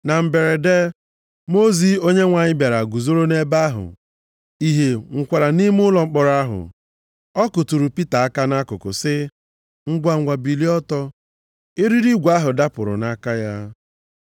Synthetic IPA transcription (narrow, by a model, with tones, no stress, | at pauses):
na˨m̩˨be˨ɾe˨de˦ | mo˦zi˨o˦ɲe˦ŋʷa˨ɲɪ˦bja˨ɾa˨ɡʷu˨zo˦ɾo˦ne˦ba˦ɦʊ̰˨ | i˨ɦe˨ŋ̩˨kʷa˨ɾa˨ni˦mʊ˦lɔ˨ŋ͡m̩˦k͡pɔ˨ɾa˦ɦʊ̰˨ | ɔ˦kʊ˨tu˨ɾu˨pi˦ta˨a˦ka˦na˦kʊ˨kʊ̰˨sɪ˦ | ŋ̩˦ɡʷa˨ɡʷa˨bi˨li˦ɔ˦tɔ˦ | ɪ˦ɾi˦ɾi˦ɡʷa˦ɦʊ˨da˦pʊ˨ɾʊ̰˨na˦ka˦ja˦